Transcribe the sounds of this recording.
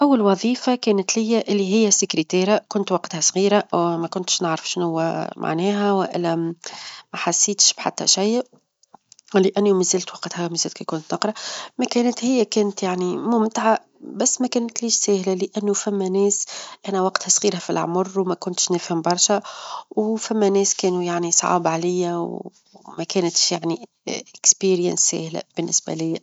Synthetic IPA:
ʔæwːalwɑðˤiːfakæːnət̪lɪjːæʔɪlːiɦɪjːæsɪkɾit̪eːɾakʊnt̪wɑqt̪hæsˤɣiːɾamækʊnt̪ʃnɪʕɾɑfʃnhʊwːæ̰mʔa̰ʕnɛːɦæwɪʔɪ̰lːæ | mæħasːiːt̪ʃb̥ħa̰t̪ːæ̰ʃajː | lɪʔænːumɪzæːlt̪wɑqt̪hæmɪzæːlt̪kikʊnt̪nɑqɾˤɑmækɛːnət̪hɪjːækɛːnət̪jaʕnimumt̪ʕa | bæsːmækɛːnt̪liːʃsæːhlælɪʔænːufæmːænɛːsʔænæwɑqt̪hæsˤɣiːɾæfilʕ̰mʊrˤːwmækʊnt̪ʃnæːfhɪmbɑɾˤʃæwfæmːænɛːskɛːnujaʕnisˤɑ̰ːbʕalɪjːæw | mækɛːnt̪ʃjaʕni | ʔɪkspiːɾjə̰nsːæ̰ːhlæ̰b̥ɪnːɪsbæ̰lɪjːæ

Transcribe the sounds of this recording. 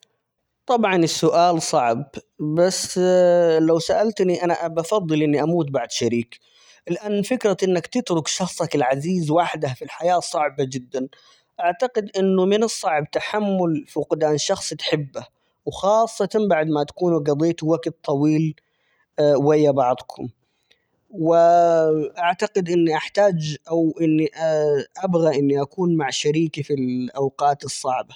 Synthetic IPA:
t̪ˤɑbʕɑnɪsːʊʔaːlsˤɑʕb | basː | lawsaʔalt̪niʔanaʔbɑfɑðˤːɨlʔɪnːiʔamuːt̪̚baʕd̪ʃaɾiːk | lɪʔanːfɪkɾaʔɪnːakt̪ɪt̪ɾʊkʃɑxsˤɑkɪlʕaziːzwaħd̪afilħajaːsˤɑʕbad͡ʒɪd̪ːan | ʔaʕt̪aqɪd̪ʔɪnːʊmɪnɨsˤːɑʕb̚t̪aħamːʊlfuqd̪aːnʃɑxsˤt̪ħɪbːa | wxɑːsˤːɑt̪anbaʕd̪mat̪ḁkuːnuɡab̪eːt̪uwaɡt̪t̪ˤːɑwiːl | wajːabɑʕd̪ˤkʰʊm | wɪ | ʔaʕt̪aqɪd̪ʔɪnːiʔaħt̪aːd͡ʒʔawʔɪnːiʔʔabɣaʔɪnːiʔakuːnmaʕʃaɾiːkifilʔawqɑːt̪ɨsˤːɑʕba

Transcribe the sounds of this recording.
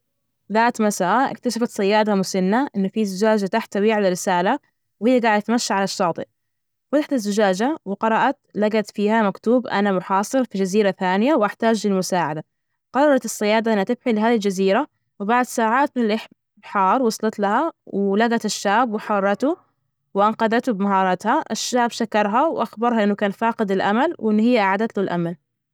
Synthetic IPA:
ðaːt̪masaːʔɪ̰kt̪aʃafat̪sˤɑjːaːd̪amʊsɪnːaʔɪnːʊfizʊd͡ʒaːd͡ʒat̪aħt̪awiːʕalaɾɪsaːla | whɪjːaɡaːʕɪd̪at̪maʃːaʕalaʃːɑːt̪ˤɨ̰ʔ | wat̪aħt̪azːʊd͡ʒaːd͡ʒawɪqɑɾˤɑʔɑt̪laɡat̪fiːhamakt̪uːbʔa̰namʊħɑːsˤɨɾfid͡ʒaziːɾaθaːnɪjawʔaħt̪aːd͡ʒlɪlmʊsaːʕad̪a | qɑrˤɑɾˤɑt̪ɪsːɪjaːd̪aʔɪnːhat̪ɪbħilɪɦaːðild͡ʒaziːɾa | wɪbaʕd̪saːʕaːt̪̚lʔɪħ | bħɑːɾˤwɑsˤlɑt̪lahawɪlaɡat̪ɪʃːaːbwɪħɑrˤːɑt̪u | wɪʔanqɑd̪at̪ubɪmaɦɑːɾˤɑːt̪haʔɪʃːaːbʃakɑɾˤɦawʔaxbɑɾˤhɑʔɪnːʊkaːnfaːqɨd̪ɪlʔa̰malwʔɪnːhɪjːaʔaʕaːd̪at̪lulʔa̰mal

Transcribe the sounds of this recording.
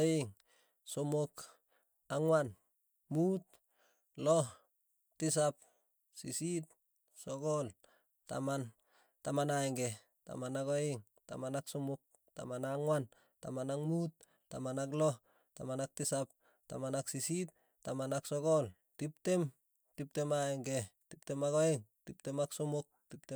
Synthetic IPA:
eŋ | somok | aŋwan | mut̚ | loh | tis̬ap̚ | sisit̚ | sokol | ta̰man | tamanaeŋɡe | ta̰manakoeŋ | ta̰manaksomok̚ | ta̰manaŋwan | ta̰manaŋmut̚ | tamanak̬lo | ta̰manak̚tisap̚ | tamanaksisit | tːamanaksoɡol | tiptem | tip̚temaeŋɡetip̚temaɡoeŋtip̚temaksomok̚tipte

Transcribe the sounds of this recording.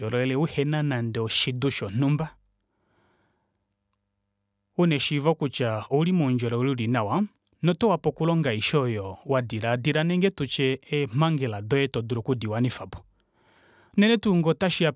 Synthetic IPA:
ɔɾɔɛlɛuhɛnanandɛɔʃiduʃɔnumba | unɛʃivɔkut͡ʃaulimɔnd͡ʒɔɾɔuliulinawa | nɔtɔwapɔkulɔŋɡaiʃɔjɔwadiɾadiɾanɛŋɡɛtut͡ʃɛɛm̥aŋɡɛladɔɛtɔduɾɔkudiwanifabɔ | nɛnɛtuŋɡɔtaʃia

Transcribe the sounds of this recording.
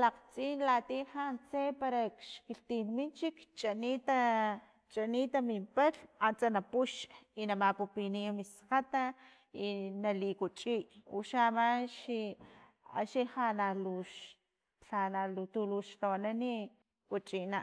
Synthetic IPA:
laqt͡siːnlat̪iːhant͡sepaɾakʃkiɬt̪inmint͡ʃikt͡ʃʼanit̪a | t͡ʃʼaniːt̪amimpaɬant͡sanapuʃinamapupinimisqat̪a | inalikut͡ʃʼiʔṵʃamaʃi | a̰ʃihanaluʃ | ɬanalut̪uluʃt̪onani | kut͡ʃʼinaʔ

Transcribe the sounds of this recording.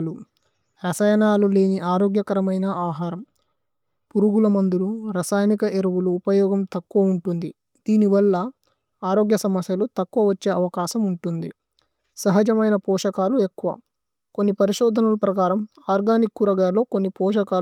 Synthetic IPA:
lu | ɾɐsɐjɐnaːlule̞ːniʔaːɾoːɡjɐkɐɾɐmɐjnɐʔaːɦaːɾɐm | puɾuɡulɐmɐnd̪uluɾɐsaːjnikɐeɾɐʋuluːpɐjɔːɡɐmt̪ɐkːuʋɐuɳʈund̪i | d̪iːniʋɐlːɐ | aːɾoːɡjɐsɐmɐsjɐlut̪ɐkːuʋɐʋɐt͡ʃːe̞ːɐʋɐkaːʃɐmuɳʈund̪i | sɐɦɐd͡ʒɐmɐjnɐpɔːʂɐkaːlue̞kːuʋɐ̰ | konːipɐɾiʃɔːd̪ʱɐnulɐpɾɐkaːɾɐm | aːɾɡaːnikːuɾɐɡaːlo̞ːkonːipɔːʂɐkaː

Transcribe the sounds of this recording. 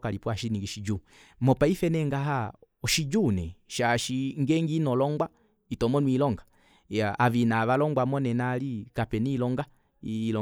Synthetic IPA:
kalipwaʃiniɡiʃid͡ʒu | mɔpaifɛnɛŋɡaɦa | ɔʃid͡ʒunɛʃaʃiŋɡɛŋɡinɔlɔŋɡwa | itɔmɔnwilɔŋɡa | jaavinaʋalɔŋɡwamɔnɛnalikapɛnilɔŋɡa | iːlɔ

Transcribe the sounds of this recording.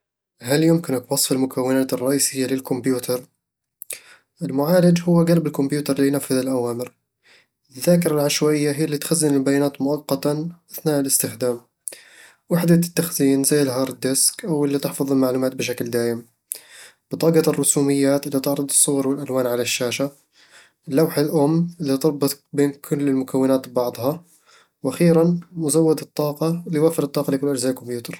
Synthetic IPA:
haljʊmkɪnɪkwɑsˤfɪlmʊkʰawːɪnaːt̪ɨrˤːɑʔiːsɪjːalɪlkʊmbjuːt̪ʰɑɾˤ | ʔɪlmʊʕaːlad͡ʒhʊwːaɡalbɪlkʊmbjuːt̪ɑɾˤlijnafːɪðɪlʔawaːmɪɾ | ɪðːaːkɪɾˤalʕaʃwaːʔɪjːaɦijːalːiːt̪xazːɪnɪlbajaːnaːt̪mʊʔɑqːɑt̪aʔaθnaːʔɪlɪst̪ɪxd̪aːm | wɪħd̪at̪ːaxziːnzajːɪlɦɑːɾˤd̪ɪskʔawɪlːit̪ɪħfɑðˤɪlmaʕluːmaːt̪̚bɪʃ̬akld̪aːʔɪm | b̥ɨt̪ˤɑːɡɑrˤːʊsuːmɪjːaːt̪ɪlːit̪ɪʕɾˤʊd̪ˤɨsˤːʊɣɑɾˤwɪlʔalwaːnʕalaʃːaːʃa | lːawħalʔʊmːɪlːit̪ɨɾˤbʊt̪beːnkʰʊlːɪlmʊkawːɪnaːt̪bɑʕd̪ˤhɑ | wʔaxiːɾanmʊzawːɪd̪ɨt̪ˤːɑːqɑlːijwaːfɪɾɨt̪ˤːɑːqɑlɪkʊlːʔad͡ʒzaːʔkʊmjuːt̪ɑɾˤ

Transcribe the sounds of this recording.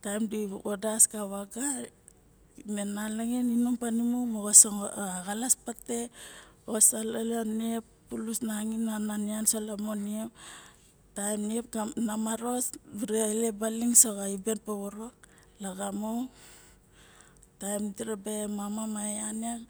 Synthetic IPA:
tajmdiodasɡaβaɡa | menalaŋeninuŋpanimomoɡosoaɡalaspate̞osaleleniepː | ulusnaŋinananiansolamoniep | tajmniep̚ɡanamaɾo̞sbiɾile̞baliŋsoɡaibe̞npeβoɾok̚ | laɡamow | tajmtiɾebemamamaaniaŋ

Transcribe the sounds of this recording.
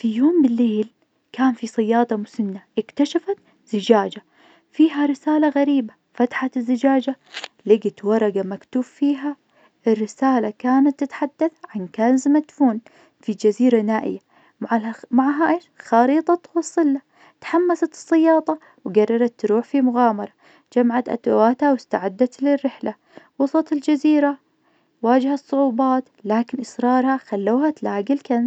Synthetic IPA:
fijoːmbɪlːeːl | kaːnfisˤɑjːɑːd̪ˤɑmʊsɪnːaʔɪkt̪aʃafat̪ | z̥ɪd͡ʒaːd͡ʒa | fiːɦaɾɪsaːlaɣaɾiːba | fat̪ħat̪ɪzːɪd͡ʒaːd͡ʒa | lɪɡɪt̪wɑɾˤɑɡamakt̪uːffiːɦa | ɪrːɪsaːlakaːnat̪ːɪt̪ħad̪ːaθʕankanzɪmat̪fuːn | fid͡ʒaziːɾanaːʔɪ̰ja | maʕamaʕɦaʔːʃxɑːɾiːt̪ˤɑt̪wɑsˤːɨlːa | t̪ħamːasat̪ɨ̥sˤːɑjɑːd̪ˤɑ | wɡarˤːɑɾˤɑt̪ːɾuːħfimʊɣaːmɑɾˤɑ | d͡ʒamaʕat̪ʔa̰t̪a̰waːt̪hawɪst̪a̰ʕad̪ːat̪lɪrːɪħla | wɑsˤɑt̪ɪld͡ʒaziːɾa | waːd͡ʒhasˤːʊʕuːbɑːt̪laːkɪnʔɪsɾˤɑːɾˤhaxalːuːhat̪laːɡɪlkanz

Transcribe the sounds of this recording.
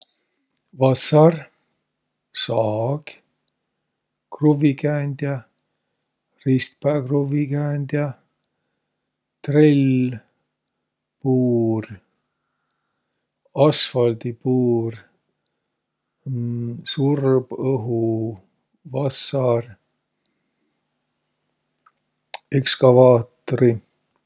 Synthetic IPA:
vɑsɑr | sɑːɡ̥ | kruvikæːnd̪̥ʲjɑ | rist̪pæːkruvikæːnd̪jɑ | t̪rel | puːr | ɑsfɑld̪̥ipuːr | surb̥ɤɦu | vɑsɑr | ekskɑvɑːt̪ːoɾi

